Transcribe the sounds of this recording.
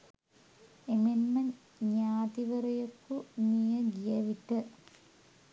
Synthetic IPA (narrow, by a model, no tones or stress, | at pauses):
emenmɐn | ɲaːt̪iʋɐrɐjokːunijɐɡijɐʋiʈːɨ